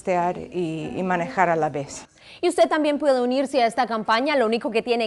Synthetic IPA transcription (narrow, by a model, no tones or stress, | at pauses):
t̪eaɾḭːmanexaɾalaβes | iust̪e̞t̪ambje̞mpwe̞ðe̞uniɾseae̞st̪akampaɲalo̞uniko̞ke̞t̪je̞ne